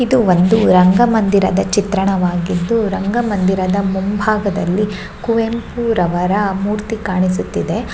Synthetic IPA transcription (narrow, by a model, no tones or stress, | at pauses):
id̪uʋond̪uɾɐŋɡɐmɐnd̪iɾɐd̪ɐt͡ʃit̪ɾɐɳɐʋaːɡid̪ːuɾɐŋɡɐmɐnd̪iɾɐd̪ɐmumbʱaːɡɐd̪ɐlːi | kuʋempuɾɐʋɐɾɐmuːɾt̪ikaːɳis̬ut̪ːid̪e̞